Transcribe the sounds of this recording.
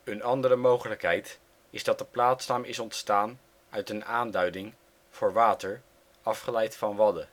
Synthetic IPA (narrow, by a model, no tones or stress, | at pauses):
ənɑndərəmowχələkɦɛjt | ɪzdɑt̚dəplaːtsnaːmɪsɔntstaːn | œɥtənaːndœɥdɪŋ | v̥ʊːɹʋaːtəɹ | ɑfχəlɛjtfɑnʋɑdə